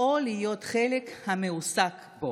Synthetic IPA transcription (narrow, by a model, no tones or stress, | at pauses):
olijo̞tχelekhameusak | bo